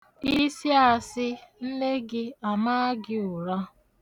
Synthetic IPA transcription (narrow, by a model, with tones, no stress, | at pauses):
i˦si˦a˨sɪ˦n̩˦ne˦ɡɪ˦a˨ma˦ɡɪ˦ʊ˨ɾa˦